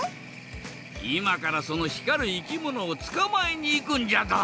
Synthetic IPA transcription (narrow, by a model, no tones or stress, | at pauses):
imakaɾaso̞no̞çi̥kaɾɯ̟ikʲimo̞no̞ːt͡sɨ̥kamaeɲ̟iːkɯ̟̃ɲ̟d͡ʑad̪a